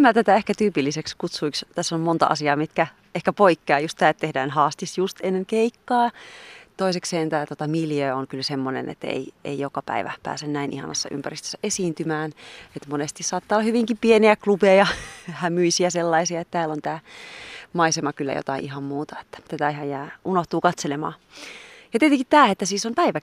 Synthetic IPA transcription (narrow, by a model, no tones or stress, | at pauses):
mæt̪æt̪æehkæt̪yːpilːisekskut̪suikst̪æsːommont̪ɑ̰ʔɑ̰siɑːmit̪kæ | ehkæpoikːeɑjust̪t̪æːet̪t̪ehdæːnhɑːst̪isjust̪enːeŋkeikːɑːt̪oisekseːnt̪æːt̪ot̪ɑmiljøːoŋkylsemːonḛnḛt̪ːḛiḛijokɑpæ̰iʋæ̰pæ̰ːsennæinʔihɑ̰nɑsːɑ̰ʔy̰mpærist̪ø̥sːæʔesiːnt̪ymæːnet̪monest̪issɑːt̪ːɑːlɑhyʋiŋkipieniæklupejɑhæmyisiæselːɑisiɑet̪t̪æːlont̪æː | mɑisemɑkylːæ̰jo̰t̪ɑiʔiɦɑmmuːt̪ɑe̥t̪ːæ̥t̪æt̪æiɦɑjjæːʔunoht̪uːkɑt̪selemɑ̰ː | jɑt̪iet̪eŋkit̪t̪æːet̪ːæsiːsompæiʋæ